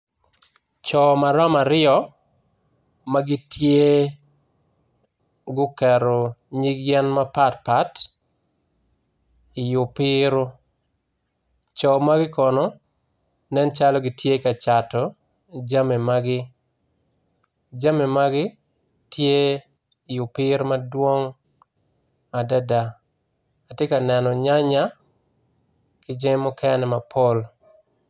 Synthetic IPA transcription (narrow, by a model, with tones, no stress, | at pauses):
t͡ʃɔ˨ma˨ɾɔ˦ma˨ɾɪɔ˨ | ma˦ɡɪ˦tʰje˦ | ɡʊ˦kɛ˨ɾɔ˨ɲi˦ɡjɛ˦nma˦pa˦tpa˦t | ɪ˨jʊ˨pɪɾo˦ | t͡ʃɔ˨ma˦ɡɪ˦kɔnɔ˨ | nɛ˦nt͡ʃa˦lɔ˦ɡɪ˦tʰje˦ka˨t͡ʃa˨tɔ˨ | d͡ʒa˦me˨maɡɪ˦ | d͡ʒa˦me˨maɡɪ˦ | tʰjeː˦˨ | jʊ˨pɪ˦ɾo˦ma˦dwo˦ŋ | a˨da˦da˨ | a˨te˦ka˨nɛ˨nɔ˨ɲa˦ɲa˦ | kɪ˦d͡ʒe˦mʊ˦kʰɛ˦nɛ˨ma˨pʰo˦l